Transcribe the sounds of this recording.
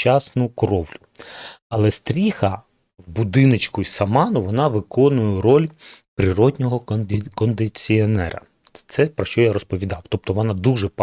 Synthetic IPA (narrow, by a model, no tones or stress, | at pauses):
t͡ʃɑsnʊkɔɾɔwlʲʊɐlˠɛst̪ɾʲixɐ | wbud̪ɪnet͡ʃkʊjsɐmɑnʊʋɔnɑʋɪkɔnʊjɛɾɔlʲpɾɪɾɔd̪ʲnʲɔɦɔkɔnd̪ɪt͡sʲiɔnɛɾɐ̰ | t̪sɛpɾɔʃt͡ʃɔjaɾɔspɔʋʲid̪ɑwt̪ɔp̚t̪ɔʋɔnɑd̪uʒɛp